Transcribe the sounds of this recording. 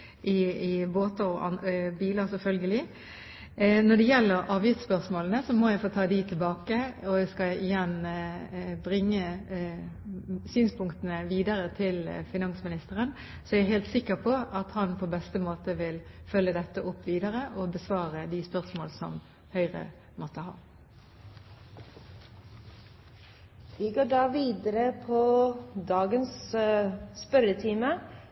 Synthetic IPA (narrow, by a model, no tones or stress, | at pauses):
ʔɪɪboːt̪əɾɔʔɑnbiːləɾsɛfœlɡəlɪ | nɔɖ̪ɛjɛlːəɾɑːʋjɪft̪spœʁʂmoːlənəsɔmɔjæɪfoːt̪ʰɑːd̪ɪt̪ʰɪlbɑːkəɔjæskɑlɪjɛn | bɾɪŋːə | syːnspʰʊŋkt̪ənəʋiːd̪ɑɾət̪ʰɪlfɪnɑnsmɪnɪst̪əɾən | sɔæɾæɦeːlt̪sɪkːəɾpʰɔɑt̪hɑnpʰoːbɛst̪əmoːt̪əʋɪlfœlːəd̪ɛt̪ːəʔʊpʰːʋiːd̪əʁəʔɔbəsʋɑːʁəd̪ɪspœʁsmoːlsɔ̰m | hœʏʁə̰ | mɔt̪əhɑ̰ː | ʋiɡoːɖɑːʋiːd̪əɾəpʰod̪ɑːɡənsː | pœɾət̪ʰiːmə